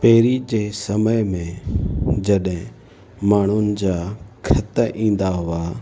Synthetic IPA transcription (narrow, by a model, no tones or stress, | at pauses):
peːɾid͡ʑeːsɐməjmẽ | d͡ʑɐɗɦɪ̃ | maːɳ̤ʊnɪ̆d͡ʑaːkʰɐt̪ʔĩːn̆d̪aɦʊaː